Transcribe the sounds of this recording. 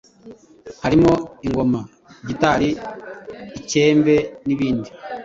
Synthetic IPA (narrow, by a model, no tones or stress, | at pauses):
haɾimo̞iŋɡo̞ma | ɟitaɾiː | ce̞ːmbe̞niβiːndi